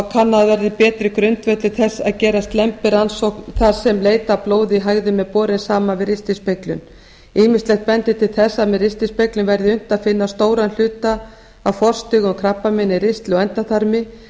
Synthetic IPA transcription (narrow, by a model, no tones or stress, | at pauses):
kʰanːaðvɛɾɪpɛːt̪ɾɪkɾʏnt̪vɛt̪ɪθɛsːaðcɛːɾast̪lɛmpɪɾansɔkθḁsɛmleːjt̪aploːwðɪɦaɣðɪmɛðpɔːɾɪnsaːmavɪðɾɪst̪ispejklʏn | iːmɪst̪lɛxt̪̚pɛnt̪ɪt̪ʰɪlθɛsːamɛðɾɪst̪ispeklʏmvɛɾðɪʏn̥t̪aðfɪnːast̪oːwɾanl̥ʏːt̪a | awfɔr̥st̪ɪɣʏmkʰɾapːamɪnːɪɾɪst̪lɪɔɣɛnt̪aθaɾmɪ